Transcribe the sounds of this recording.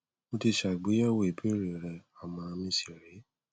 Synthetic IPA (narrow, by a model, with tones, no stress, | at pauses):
mo˧ti˧ʃa˨ɡ͡bi˨˦ɛ˦wo˦˨i˨pe˦ɾe˨ɾɛ˧˨a˨mã˧mĩ˧si˨ɾe˨˦